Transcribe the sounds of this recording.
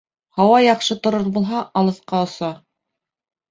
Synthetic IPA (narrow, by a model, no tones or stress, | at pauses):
hɑwɑjɑqʃɤt̪ŏɾoɾbulˠɦɑʔɑlˠɤ̆θqɑŏsɑ